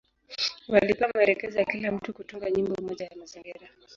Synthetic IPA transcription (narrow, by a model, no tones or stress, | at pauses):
walipamaɛɾɛkɛzɔjakilam̩tukutuŋɡaɲimbɔumɔʄajamaziŋɡiɾa